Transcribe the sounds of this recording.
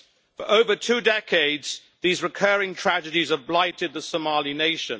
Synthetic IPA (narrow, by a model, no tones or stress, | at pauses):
fəʔəʊvətʰʉːdɛkʰeɪdz̥ | ðiːzɹɪkʰɜːɹɪ̃ŋtʰɹ̥ad͡ʒədizəblaɪtɪd̪̚ðəsəmɑːlineɪʃə̃n